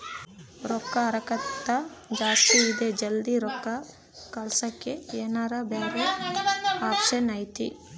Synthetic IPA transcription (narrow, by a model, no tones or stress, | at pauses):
ɾɔkːɐɐɾɐkɐt̪ːɐd͡ʒaːst̪iːd̪ed͡ʒɐld̪iɾɔkːɐ | kɐlsɐkːeeːnaːɾɐbeːɾe | aːpʃɐnɐjt̪ḭ